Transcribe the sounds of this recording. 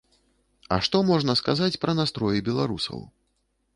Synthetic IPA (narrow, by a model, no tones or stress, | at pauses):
ɐ̰ʂt̪ɔmɔʐnɐskazat͡sʲpɾɐnast̪ɾɔjibʲɛlˠaɾusɐ̰w